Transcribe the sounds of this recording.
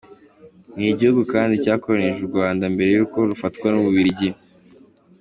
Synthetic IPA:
niɟihuɡukaːndicaːkoɾaneʒuɾɡwaːndambe̞ɾe̞juːko̞ɾufatkwanuβuβiɾiɟi

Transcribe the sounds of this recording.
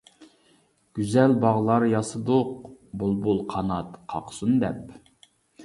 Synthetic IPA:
ɡ̥ʲyzɛlbɑʁlˠɑɾjɑsɨd̪oq̚bolˠbulˠqʰɑnɑt̪qʰɑ̰qʰsund̪ɛp̚

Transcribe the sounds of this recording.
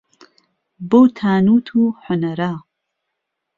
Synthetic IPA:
bowt̪ʰaːnuːt̪ʰuːħʊnɐɾaː

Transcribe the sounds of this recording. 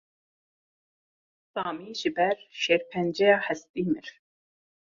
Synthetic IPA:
sɑːmiːʒɨbɛɾʃeːɾpʰɛnd͡ʒɛjɑːhɛst̪iːmɪɾ

